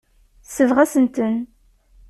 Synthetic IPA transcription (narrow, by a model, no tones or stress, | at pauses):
θsəvʁæsənt̪ən